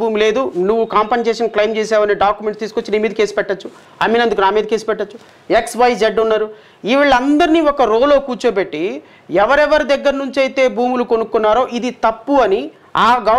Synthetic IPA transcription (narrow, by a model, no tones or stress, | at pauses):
uːmle̞ːd̪unuʋːukaːmpɐnseːʂɐnklɐjmt͡ʃɛːsaːʋɐniɖaːkjumeɳʈst̪iːsukot͡ʃːiniːmiːd̪ɐke̞ːsupɛʈːɐt͡ʃːu | ɐmiːnɐnd̪ukunaːmiːd̪ɐke̞ːsi̥pɛʈːɐt͡ʃːu | eksʋɐjseɖunːaːɾu | iʋɐɭːɐnd̪ɐɾiniːɔkɐɾoːlo̞ːkuːt͡ʃɐbeʈːi | ɛʋɐɾɛʋɐɾid̪ɐɡːɐɾɐnuɲt͡ʃiɐjt̪e̞ːbʱuːmulukonukːunːaːɾo̞ːʔid̪it̪ɐpːuɐni | aːɡɐ